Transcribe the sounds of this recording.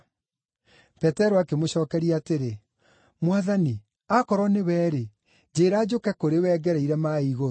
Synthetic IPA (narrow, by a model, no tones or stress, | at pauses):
pɛtɛɾoakemoɕɔːkɛɾiaːteɾe | mwaðani | akɔɾɔnewɛːɾe | d͡ʑeːɾaːd͡ʑokɛkoɾewɛːɡɛɾɛiɾɛmaiɣoɾo